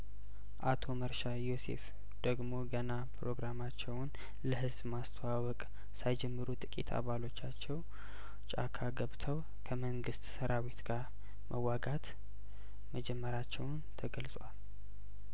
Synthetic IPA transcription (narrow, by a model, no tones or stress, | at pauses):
ʔat̪ʰo̞məɾʃajo̞sḛf | d̪̥əɡmo̞ɡənapɾo̞ɡɾamat͡ʃːɛwʊn | ləɦɨzbmast̪ʰəwawɔkʼ | sajd͡ʒɛmːɨɾut̪ʼɨkʼḭt̪ʰa̰βalo̞t͡ʃːat͡ʃːɛw | t͡ʃʼa̰kʰaɡəβt̪ʰəw | kʰəməŋɡɨst̪səɾawit̪ɡaɾ | mʔəwːaɡat̪ | məd͡ʒɛmːəɾat͡ʃːɛwnt̪ʰəɡəlsʼwal